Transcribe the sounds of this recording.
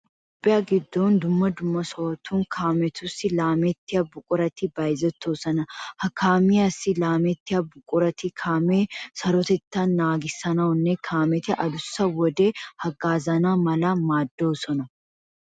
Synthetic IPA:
opʼːɪjaːɡɪd̪ːoːnd̪ʊmːɐd̪ʊmːɐsoːt̪ʰuːŋkʰaːmɛt̪ʊsɪlaːmɛt̪ːɪɐbːʊkʼʊɾɐt̪ɪbɐjzɛt̪ːoːsɐnɐhɐkʰaːmɪjɐsːɪlaːmɛt̪ːɪɐbːʊkʼʊɾɐt̪ɪkʰaːmesɐɾɔt̪ɛt̪ːanːaːɡɪsːɐnɐʊnːɛkʰaːmɛt̪ɪʔɐd̪ʊsːɐwɔd̪e̞ːhɐɡaːzɐnaːmɐlɐmaːd̪ːoːsɔnɐ

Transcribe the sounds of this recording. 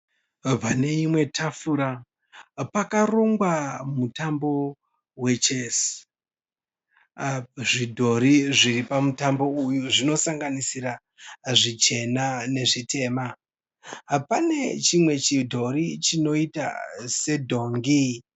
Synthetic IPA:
vane̞imwe̞tʰafuɾa | pakaroŋɡwamutambo̞ | we̞t͡ʃe̞s | ʐidʱo̞ɾiʐiripamutambo̞ujuʐino̞saŋɡanisiɾa | ʐit͡ʃe̞nane̞ʐitʰe̞ːma | pane̞t͡ʃimwe̞t͡ʃidʱo̞ɾit͡ʃino̞ita̰se̞dʱo̞ŋɡi

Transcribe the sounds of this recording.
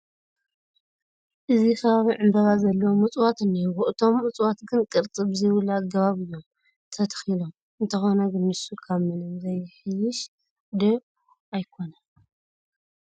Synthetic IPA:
ʔɨzixɐβaβiʕɨmbɐβazɐlːɐwomɨt͡sʼwat̪ɨnːewʊʔɨt̪ʰo̞mɨt͡sʼwat̪ɡɨnkʼɨɾt͡sʼɨbzɨwɨlaɡɐβaβɨjːo̞m | t̪ʰɐt̪xilo̞m | ɨnt̪ʰɐxo̞nɐɡɨnːɨsukʰaβmɨnɨmzɐjħɨjɪʃ | d̪ɐ | ajkʰo̞na

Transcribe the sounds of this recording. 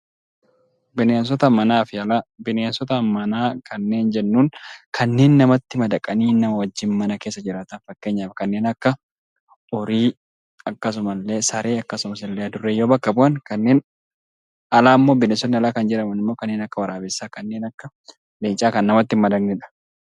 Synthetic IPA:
bɪneːns̬ɔt̪ɐmɐnaːfɪɐlabɪneːnsɔt̪ɐmɐnaːkʰɐnːe̞ːnd͡ʒɛnːuːnkʰɐnːe̞ːnːɐmɐt̪ːɪmɐd̪ɐkʼːɐniːnɐmɐwɐd͡ʒːɪnmɐnɐke̞ːsːɐd͡ʒɪɾaːt̪ɐnfɐkːe̞ːɲːaːfɐkɐnːeːnɐkːɐ | ɔɾiː | ɐkːɐs̬ʊmɐlːe̞ːsɐɾe̞ːɐkːɐsʊmɐsɪlːeːɐd̪ʊrːeːjo̞ːbɐkːɐbʊʔɐnkɐnːe̞ːn | ɐlaːmːo̞ːbɪnɛsɔt̪nɪɐlaːkɐnd͡ʒɛᶑɐmɐnɪmːo̞ːkɐnːe̞ːnɐkːɐwɐɾaːbɪsːaːkɐnːe̞ːnɐkːɐ | leːt͡ʃʼaːkɐnːɐmɐt̪ːɪmɐd̪ɐknɪᶑɐ̥

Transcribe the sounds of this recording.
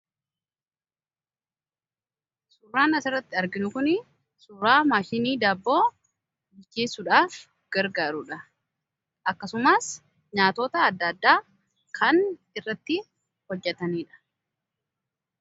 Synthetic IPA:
sʊrːaːnɐsɪrːɐt̪ːɪɐɾɡɪnʊkʊnɪ | sʊrːaːmaːʃɪniːd̪aːbːo̞ː | bɪd͡ʒeːsːʊᶑaːf | ɡ̥ɐɾɡaːɾʊᶑɐ | ʔɐkːɐsʊmaːs | ɲaːt̪oːt̪ɐːd̪ːɐd̪ːaː | kʰɐn | ɪrːɐt̪ːɪ | hɔd͡ʒːɛt̪ɐniːᶑɐ̥

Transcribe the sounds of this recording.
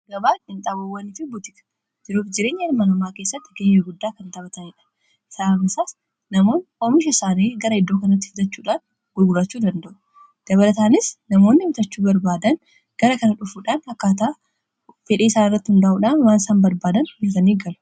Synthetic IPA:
ɡɐbaːɪnt̪ʼaːbɐwːɐnɪfɪbʊt̪ɪkɐ̥ | d͡ʒɪɾuːfd͡ʒɪɾe̞ːɲːɐɪɾmɐnɐmaːke̞ːsːɐt̪ːɪɡeːjːɐɡʊd̪ːaːkɐnt̪ɐbɐt̪ɐnɪᶑɐ̥ | ɪ̥saːɐmɪsaːs | nɐmo̞ːnoːmɪʃ̬ɐsaːneːɡɐɾɐɪd̪ːoːkɐnɐt̪̬ːɪfʊd̪ɐt͡ʃːuːᶑaːn | ɡʊɡʊlɐt͡ʃːuːd̪ɐnd̪ɐʔʊ | d̪̥ɐβɐlɐt̪aːnɪsnɐmo̞ːnːɪmɪt̪ɐt͡ʃːuːbɐɾbaːd̪ɐn | ɡ̥ɐɾɐkɐnɐᶑʊfuːᶑaːnhɐkːaːt̪aː | fɛᶑeːɪsaːnɪrːɐt̪ːɪhʊnd̪ɐʔuːᶑaːnwaːnsaːnbɐɾbaːd̪ɐnnɐt̪ɐniːɡɐlʊ̥

